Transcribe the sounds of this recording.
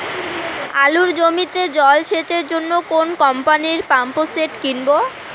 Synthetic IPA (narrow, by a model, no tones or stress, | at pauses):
a̰luɾd͡ʑomit̪ed͡ʑɔlʃet͡ɕeɾd͡ʑonːokonkɔmpaniɾpamposeʈkinbo